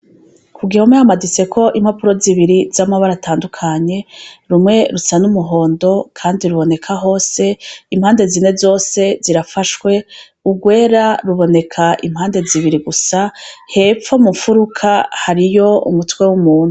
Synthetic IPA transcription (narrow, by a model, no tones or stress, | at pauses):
kʰuɡihomŋehamadise̞kʰo̞ʔimhapuɾo̞ziβiɾizamaβaɾatʰaːndukʰaɲe̞ɾumŋe̞ɾusanumuɦo̞ːndo̞kʰaːndiɾuβo̞ne̞kʰaɦo̞ːse̞imhaːnde̞zine̞zo̞ːse̞ziɾafaʃwe̞ | uɡwe̞ːɾaɾuβo̞ne̞kʰaʔimhaːnde̞ziβiɾiɡusahe̞p͡fomufuɾukʰahaɾijo̞ṵmutwe̞wumuːn̥hu